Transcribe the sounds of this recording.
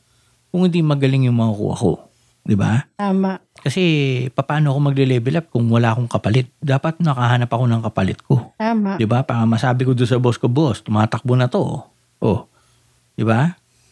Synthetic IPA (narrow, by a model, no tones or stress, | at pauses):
kʊŋhɪ̃nd̪imɐɡɐlɪŋjʊŋmɐɐkṵʔɐ̰ko̞̰ | d̪ɪba̰t̪aːmaʔkɐsɛpɐpaːnoɐko̞mɐɡ̚lɛlɛːbɪlap̚kʊŋwɐlaːʔɐko̞ŋkɐpɐlɪt̪̚d̪aːpɐt̪̚nɐkɐɦaːnɐpɐko̞nɐŋkɐpɐlɪt̪̚kʰo̞t̪aːmad̪ɪbapaːɾɐmɐsaːbɪkod̪ʊnsɐboskoboʔst̪ʊmaːt̪ɐk̚bonɐt̪o̞ | ʔo | d̪̥ɪba